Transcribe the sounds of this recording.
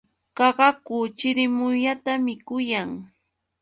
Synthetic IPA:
kɑɢɑkʊt͡ʃɪɾɪmʊʎat̪amɪkʊjaŋ

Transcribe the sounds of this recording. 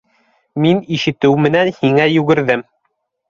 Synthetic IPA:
miniʃɘ̆t̪ɘwmɘ̆nænhiŋæjʉɡɘ̆ɾðɘm

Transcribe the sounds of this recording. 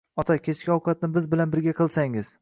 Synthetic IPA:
ɒt̪ʰakʲe̞t͡ʃkʲiɒwqʰɑt̪̚nɪbɪzbɪlanbɪɾɡʲaqʰɨlˠsaŋɪz̥

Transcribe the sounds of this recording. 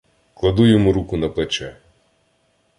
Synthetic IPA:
klˠɐd̪ujɔmuɾukʊnɐplˠɛt͡ʃɛ

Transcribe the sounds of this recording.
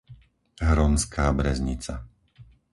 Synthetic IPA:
ɦɾɔmskaːbɾɛzɲḭt͡sa

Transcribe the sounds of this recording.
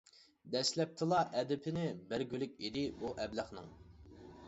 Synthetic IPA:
d̪ɛslɛp̚t̪ʰɨlˠɑʔɛd̪ɪpʰɪnɪbɪɾɡʲylɪkʲid̪ɪbuʔɛbləχnɨ̰ŋ

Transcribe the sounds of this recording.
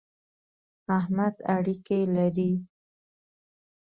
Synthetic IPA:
ahmad̪aɽikelaɾi

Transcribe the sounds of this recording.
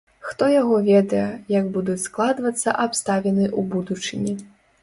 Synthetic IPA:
xt̪ɔjaɣɔvʲɛd̪ɐjɛjɐɡbud̪ut͡sʲsklˠad̪vɐt̪sːɐʔapst̪avʲɛnɨʔubud̪ut͡ʂɨnʲi

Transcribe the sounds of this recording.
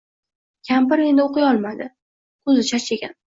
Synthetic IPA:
kʲʰambɪɾe̞nd̪ɪoqʰɨjɒlˠmad̪ɪ | kʰɵzɪt͡ʃʰat͡ʃeɡʲan

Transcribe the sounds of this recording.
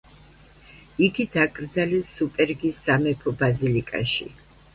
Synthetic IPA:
iɡid̪akʼɾd̪zalɛsːupʼɛɾɡisːamɛpʰɔbazilikʼa̰ʃḭ

